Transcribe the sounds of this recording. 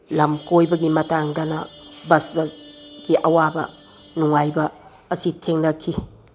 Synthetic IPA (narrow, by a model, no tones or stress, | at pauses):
lɐmkojbɐɡimɐtaŋdɐnɐ̰bɐsdɐɡiʔɐwabɐ̰ | nuŋajbɐː | sitʰeŋnɐkʰːi